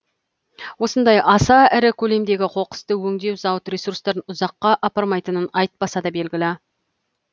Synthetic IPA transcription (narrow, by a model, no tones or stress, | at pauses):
wo̞sənd̪ɑjɑsɑæɾɪkʲʰɵle̞md̪e̞ɡʲɪqʰo̞qə̥st̪əwɵŋd̪e̞wzɑwət̪rʲe̞surst̪ɑɾənʊzɑqːɑʔɑpɑɾmɑjt̪ənənɑjt̪̚bɑsɑd̪ɑbe̞lɡʲɪlɪ